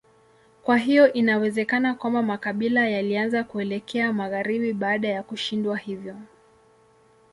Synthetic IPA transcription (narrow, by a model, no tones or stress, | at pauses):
kwaɦijɔʔinawɛzɛkanakwambamakaɓilajalianzakuɛlɛkʰɛamaɣaɾiɓiɓaːɗajakuʃindwahivjɔ